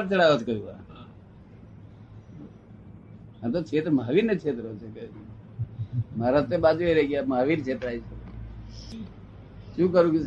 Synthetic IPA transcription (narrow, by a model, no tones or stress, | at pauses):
ɾt͡ʃəɽaʋot͡ʃʰkəjũa̰ | ət̪ot͡ʃʰet̪ɾmaʋinːet͡ʃʰet̪ɾot͡ʃʰekə | maːɾat̪ebad͡ʒeɾeɡjamaːʋint͡ʃʰet̪ɾaːit͡ʃʰe | ʃũːkəɾũːke